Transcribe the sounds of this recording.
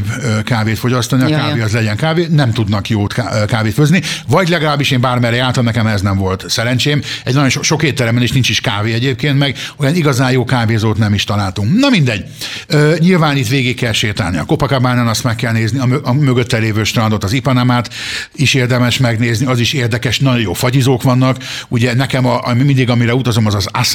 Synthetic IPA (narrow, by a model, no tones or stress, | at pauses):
bkaːveːt̪fo̞ɟɒst̪oniɒkaːveːɒzlɛɟɛŋkaːveːnɛmt̪ud̪nɒkjoːt̪kaːveːt̪føznivɒɟlɛɡɒlaːbːiʃeːmbaːrmɛɾɛjaːrt̪ɒmnɛkɛmɛznɛɱvo̞lt̪sɛɾɛnt͡ʃeːmɛɟnɒjo̞nʃoʃo̞kheːt̪ːɛɾɛmbɛneːʃnint͡ʃiʃkaːveːɛɟeːp̚keːnt̪mɛɡojɒniɡɒzaːjoːkaːveːzoːt̪nɛmiʃt̪ɒlaːlt̪uŋknɒmind̪ɛɟː | øːɲilvaːnit̪ʋeːɡikːɛlʃeːt̪ɛ̰lniɒ̰ko̞pɒkabaːnanɒst̪mɛkːɛlneːzniɒmøɒmøɡøt̪ːɛleːvøːʃt̪rɒnd̪ot̪ːɒzipɒnamaːt̪ | iʃeːrd̪ɛmɛʃmɛɡneːzniɒziʃeːrd̪ɛkɛʃnɒɟojo̰ːfɒɟizoːkʋɒnːɒkuɟɛnɛkɛmɒʔmimind̪iɡɒmiɾɛut̪ɒzo̞mɒzɒzas